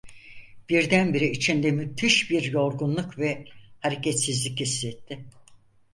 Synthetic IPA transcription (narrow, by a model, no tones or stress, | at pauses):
b̥iɾd̪ænbiɾiit͡ʃʰind̪ɛmyt̪ʰiʃbiɾjo̞ɾɡunlˠukvɛhaɾecʰɛt̪sizlʲicist̪ɛt̪ʰːɪ